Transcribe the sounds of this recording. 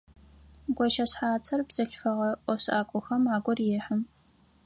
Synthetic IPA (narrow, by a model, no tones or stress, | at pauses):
ɡʷɔʃɐɕħaːt͡sʰɐrbz̥ɐɬfɐʁɐʔʷɔɕaːkʷʼɔxɐmaːɡʷʼɔrjɛːħəm